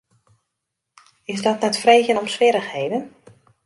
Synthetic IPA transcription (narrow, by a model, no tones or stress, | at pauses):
ɪsdɔtnɛtfreːɣjənɔmsʋɪɾəxhejdən